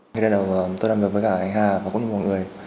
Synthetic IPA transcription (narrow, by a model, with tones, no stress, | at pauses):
i˧ɗe˧˩ɗə˨˩wt̪o˧jlaː˨˩mɨ˨˩əəː˨˦jkaː˧˨ʔa˧˩ŋ̟ɦaː˨˩vaː˨kʊ̰˧˥ŋ͡mɲi˧˩mɔ˨˩nŋɨ˨˩əj